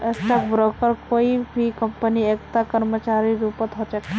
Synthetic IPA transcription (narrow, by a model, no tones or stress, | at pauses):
est̪əkbɾokəɾkoːibʱikəmpəniekt̪akəɾmət͡ʃaɾiɾupət̪ɦot͡ʃəke